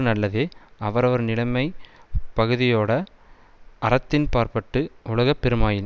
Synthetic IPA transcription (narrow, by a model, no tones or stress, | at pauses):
nɐlːɐðeːɐʋɐɾɐʋɐɾnɪlɐmɐɪpɐɣɯðɪjoːɽɐ | ʔɐɾɐt̪ːɪnpaːɾpɐʈːɯʊlɐɣɐpːɛɾɯmaːjɪn